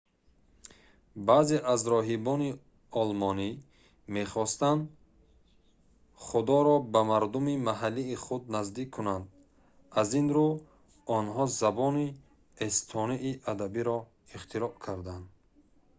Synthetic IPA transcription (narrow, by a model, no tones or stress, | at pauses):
bazeʔazɾɔɦibɔni | ɔlmɔni | me̞χɔst̪and̪ | χud̪ɔɾɔbamaɾd̪umimaɦalːiːχud̪̚nazd̪ikʰːunand̪ | azinɾu | ɔnɦɔzabɔni | est̪ʰɔniʔiʔad̪abiɾɔ | iχt̪ʰiɾɔʔkʰaɾd̪and̪